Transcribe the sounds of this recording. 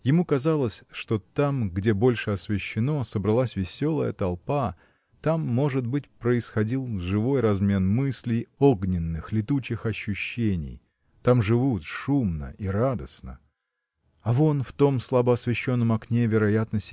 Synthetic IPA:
jɪmukɐzalˠəsʲʂt̪o̞t̪amɡdʲe̞bo̞lʲʂɨɐsvʲɪɕːɪno̞səbɾɐlˠasʲvʲɪsʲo̞lˠəjət̪ɐlˠpa | t̪amːo̞ʐɨd̪̚bɨt̚ʲpɾəɪsxɐdʲilˠʐɨvo̞jrɐzmʲe̞nmɨsʲlʲɪjo̞ɡnʲɪnːɨxlʲɪt̪ut͡ɕɪxɐɕːʊɕːenʲɪ̰j | t̪amʐɨvut̪ʂumnə̰ʔiɾad̪əsnə̰ | ɐvo̞nft̪o̞mslˠabəɐsvʲɪɕːo̞nːəmɐknʲe̞vʲɪɾɐjat̪nəsʲtʲ

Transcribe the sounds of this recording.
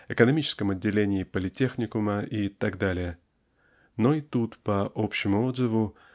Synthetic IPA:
ɪkənɐmʲit͡ɕɪ̥skəmɐdʲːɪlʲenʲɪːpəlʲɪtʲːe̞xnʲɪkʊməʔit̪aɡd̪alʲɪjə | no̞ɪt̪ut̪pɐʔopɕːɪmʊo̞d̪zɨvʊ

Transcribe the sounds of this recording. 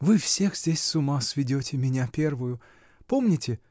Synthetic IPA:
vɨfsʲe̞xzʲdʲesʲsʊmasvʲɪdʲotʲɪmʲɪnʲapʲe̞rvʊjʊ | po̞mnʲɪtʲɪ

